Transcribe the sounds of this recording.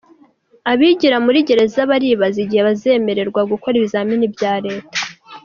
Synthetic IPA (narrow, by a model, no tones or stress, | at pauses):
aβiɟiɾamuɾiɟe̞ɾe̞zaβaɾiβaziɟiheβaze̞me̞ɾe̞ɾɡwaɡuko̞ɾiβizaːminibjaːɾe̞ːtḁ